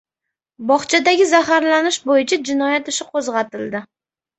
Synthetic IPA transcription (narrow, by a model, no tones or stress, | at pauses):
bɒχt͡ʃʰad̪aɡʲɪzahaɾlanɪʃbojɪt͡ʃʰad͡ʒɪnɒjat̪ɪʃɪqʰozʁɑt̪ɪld̪ɪ